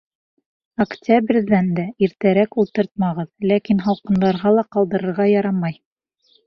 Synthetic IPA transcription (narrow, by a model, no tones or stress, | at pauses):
ɐktʲæbɾʲðænd̪æiɾt̪æɾækulˠt̪ɤɾt̪̚mɑʁɤðlækinɦɑlˠqɤ̆nd̪ɑɾʁɑlˠɑqɑlˠd̪ɤ̆ɾɤ̆ɾʁɑjɑɾɑmɑj